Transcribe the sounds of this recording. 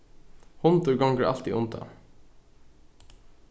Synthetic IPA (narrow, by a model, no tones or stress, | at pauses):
hɔnt̪ʊɾɡɔŋɡəːʔɑ̰lt̪ḭːʔʊnt̪ʰɑ̰